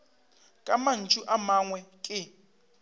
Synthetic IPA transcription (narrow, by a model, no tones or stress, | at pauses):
kʼaman̩t͡ʃʼuʔamaŋwɛkʼɪ